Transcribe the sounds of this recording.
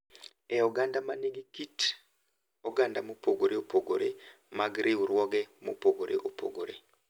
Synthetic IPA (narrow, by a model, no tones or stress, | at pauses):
ɛoɡandamaniɡikit | oɡandamupoɡoɾeopʰoɡoɾe | maɡiɾiuɾwɔɡɛmopoɡoɾeʔopo̰ɡoɾe